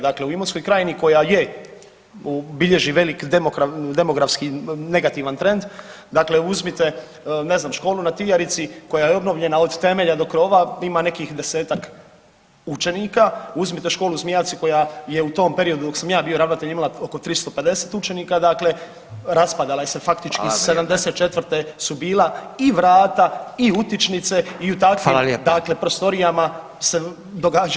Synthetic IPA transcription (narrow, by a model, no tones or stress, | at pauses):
d̪akle̞uimonsko̞jkɾaːjeniko̞jaje | ubiʎe̞ʒiʋe̞likd̪emokɾad̪e̞mo̞ɡɾafskine̞ɡat̪iʋant̪ɾe̞nd̪ | d̪akle̞uzmit̪e̞ | ne̞znaːmʃko̞ːlunat̪ijaɾit̪siko̞jajeo̞bno̞ʋʎe̞nao̞d̪t̪e̞me̞ʎad̪o̞kɾo̞ːʋaimane̞kixd̪e̞se̞ːt̪ak | ut͡ʃe̞niːkauzmit̪e̞ʃko̞ːluzmijat̪siko̞jaje̞ut̪o̞ːmpe̞ɾio̞d̪ud̪o̞ksamjaːbio̞ɾaʋnat̪eʎimalao̞ko̞t̪ɾist̪o̞pe̞d̪e̞se̞ːt̪ut͡ʃe̞niːkad̪akle̞ | ɾaspad̪alajesefakt̪it͡ʃkissed̪amd̪e̞set̪̚t͡ʃet̪ʋɾt̪e̞subiːlaiʋɾaːt̪aiut̪it͡ʃnit̪se̞iut̪akʋimd̪akle̞pɾo̞st̪o̞ɾijama | se̞ | d̪oɡaːd͡ʒ